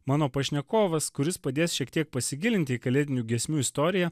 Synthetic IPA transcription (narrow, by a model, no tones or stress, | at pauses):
mɑːnoːpɐʃʲnʲɛkoːʋɐskʊɾʲɪspɐd̪ʲeːsʃʲiɛkt̪ʲiɛk̚pɐsʲɪɡʲɪlʲɪnʲt̪ʲɪiːkɐlʲeːd̪ʲɪnʲuːɡʲɛsʲmʲuːɪst̪oːɾʲɪjɛ